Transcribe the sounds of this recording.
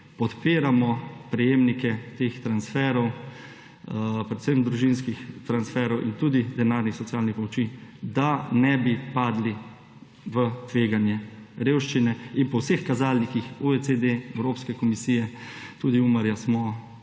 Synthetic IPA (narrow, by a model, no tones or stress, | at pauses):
pɔt̪peːɾamɔpɾɛjeːmnikɛt̪eːxt̪ɾansfɛːɾɔw | pɾɛt̪səmd̪ɾuʒinskixt̪ɾansfɛɾɔwʔint̪uːd̪id̪ɛnaːɾnixsɔt̪sijaːlnixpɔmɔt͡ʃid̪anɛbipaːd̪li | ʋət̪ʋeːɡanjɛɾeːwʃt͡ʃinɛinpɔwsexkazaːlnikixuet͡s̪ed̪eɛwɾoːpskɛkɔmisiːjɛ | t̪uːd̪iuməɾjasmɔ